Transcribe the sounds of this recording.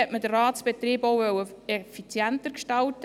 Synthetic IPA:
ɛʔməd̥ərrɑːtt͡sb̥et̪riːbɔwʋœwəɛfit͡sjænt̪əɾkʃtɑlt

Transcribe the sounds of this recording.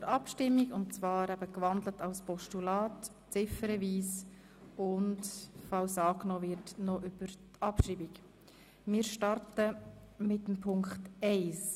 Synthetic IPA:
əɾɑpʃtɪmːiɡʊnt̚t͡svɑːɾæbəkvɑndlətɑʊspʰɔʃtulɑːt | t͡sɪfəɾɛviːs | ʊntfɑlsɑːknɔːvɪɾtnɔʔʏb̥əɾtʰɑpʃɾiːbik | mɪːɾʃtɑɾtəmɪtəmpʰʊŋkχtɛɪs

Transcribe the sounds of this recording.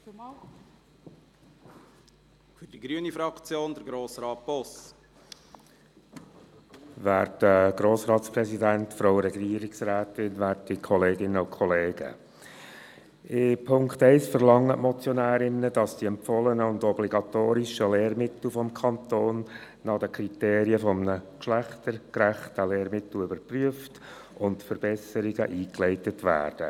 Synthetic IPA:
fyd̥iɡɾyənifɾɑkt͡sjoːnd̪əɾɡɾoːsɾɑːt̚b̥ɔs | ʋæːɾtəɡɾoːsɾɑːt̪spɾɛsidæntfɾoʊɾɛɡiːɾɪksɾæːtɪnʋæːtdikʰɔleːɡɪnːəʊkʰɔleːɡ̥ə̰ | ɪpʰʊŋktɛɪsfəɾlɑŋːətmɔt͡sjɔnæːɾɪnːəd̥ɑsd̥iɛmpfɔlənəʊndɔbliɡɑt̪oːɾiʃəleːrmɪt̪l̩fɔmkʰɑnt̪oːnː | ɑd̥əkʰɾiteːɾiəfɔmnəkʃlæχtəɾkɾæχtəleːɾmɪt̪l̩ʏbəɾpryəft | ʊntfəɾb̥ɛsəɾiɡəʔiːklɛɪtətʋæ̰ːrd̥ə

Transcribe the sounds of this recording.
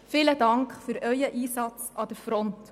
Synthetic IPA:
fɪlədɑŋkχfyɾœʏəʔiːsɑt͡sɑd̥̪əɾfɾɔnt

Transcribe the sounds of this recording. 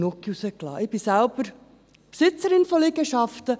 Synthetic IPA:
nukːiusəklɑ̰ːʔɪb̥isælb̥əɾ | psɪt͡səɾɪnfɔleɡəʃɑftə

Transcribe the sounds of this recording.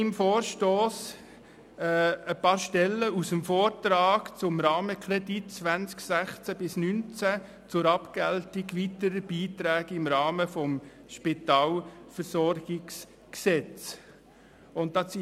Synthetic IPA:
ɪmfoːɾʃtoːs | ɛəpɑːɾʃtɛlːəusəmfɔːɾtɾɑːɡt͡sʊmɾɑːməkʰɾɛditt͡sʋænt͡sksæχt͡sæbɪsnynt͡sæ | t͡sʊɾɑpɡ̥æltɪɡʋitəɾəb̥iːtɾɛːɡ̥ɪmɾɑːməfɔm | ʃpɪtɑːlfəɾsɔɾɡ̥ɪks | ksɛt͡s | ʊntdɑi

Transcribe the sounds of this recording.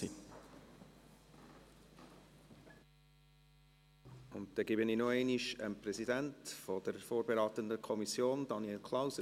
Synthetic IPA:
i | ʊntd̥̪ɛɡɪbəniːnoɛɪniʃəmprɛzidæntfɔd̥əɾfoːrbeɾaːtəndəkʰɔmisjoːnd̥ɑniɛlkʰlaʊsə

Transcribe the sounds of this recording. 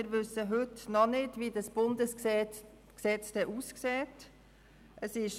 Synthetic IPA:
ɪɾvʏsəɦʏtnɔnɪdviːdɑsb̥ʊndəs | ksɛt͡sd̥ɛʔuːsksɛːt | ʔəsɪʃ

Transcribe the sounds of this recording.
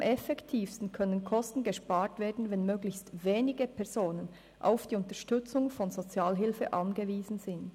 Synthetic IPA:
mʔɛfɛktʰiːfstn̩kʰœnənkʰɔstn̩ɡəʃpaːɾtv̥eːɐdn̩vɛnmøːɡlɪçstveːnɪɡəpʰɛɐz̥oːnən | ʔa̰ʊfd̥iːʊntəʃtʏt͡sʊŋfɔnzot͡sjaːlɦɪlfəʔɑnɡəviːzn̩zɪnt

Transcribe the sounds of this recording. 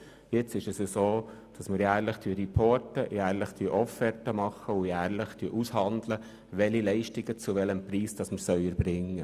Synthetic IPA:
jɪt͡sɪʃɛsəsoːd̥ɑsməɾjæːɾləχtʰyːəɾipʰɔtəjæːɾləχtyəʔɔfɛɾtəmɑχəʊjæːɾləχtyəʔushɑnd̪lə | ʋɛlilɛɪʃtɪɡət͡suʋɛləmpɾiːsd̥ɑsməɾsœʏəɾbɾɪŋːə

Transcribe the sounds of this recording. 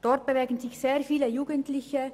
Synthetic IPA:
d̥ɔrt̚b̥əʋɛːɡən̩zɪçseːrfiːləjuːɡəntlɪçə

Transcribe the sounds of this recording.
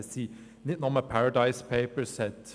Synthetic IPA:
siː | nɪt̪nɔməpʰæɹəd̪aɪspʰeɪpə˞sɛt̪

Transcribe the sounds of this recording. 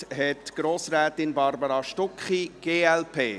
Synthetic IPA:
ɦɛtɡ̥ɾoːsɾɛːt̪ɪnbɑɾbəɾɑʃtʊkχiɡ̥eːɛlpʰeː

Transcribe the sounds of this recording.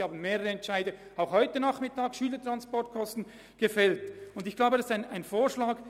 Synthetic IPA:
haːbn̩meːʁəʁəɛntt͡ʃaɪdə | aʊxhɔʏtənaχmɪtaːkʃyːlətʁanspɔɐt̚kʰɔstn̩ | ɡ̥əfɛltʊndɪçɡ̥laʊbədɑsaɪnaɪnfoːʃlaːɡ

